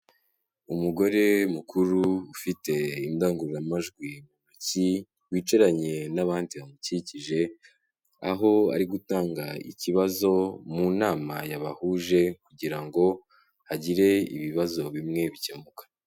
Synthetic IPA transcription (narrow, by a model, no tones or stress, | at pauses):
umuɡo̞ɾe̞mukʰuɾuːfite̞indaːŋɡuɾuɾamaʒɡwimunuci | wiːt͡ʃeɾaɲe̞naβaːndiβamuciciʒe̞ | a̰ɦo̞a̰ɾiɡutaːŋɡaḭciβazo̞munaːmajaβahuːʒe̞kuɟiɾaŋɡo̞ | haɟiɾe̞ḭβiβazo̞βimŋe̞βicemukḁ